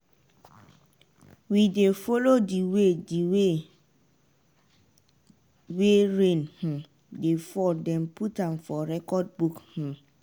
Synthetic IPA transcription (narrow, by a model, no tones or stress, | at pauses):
widefolodiwediwe | weɹẽnhũ | defɔdɛ̃mpʰutãnfɔɾɛkɔd̚bukhũ